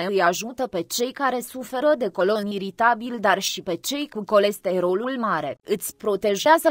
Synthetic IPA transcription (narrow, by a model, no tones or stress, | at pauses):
eɨjaʒut̪əpe̞t͡ʃe̞jkaɾe̞sufe̞ɾəd̪e̞ko̞lo̞niɾit̪abild̪arʃipe̞t͡ʃe̞jkuko̞le̞st̪e̞ɾolulmaɾe̞ɨt̪sʲpɾo̞t̪e̞ʒeazə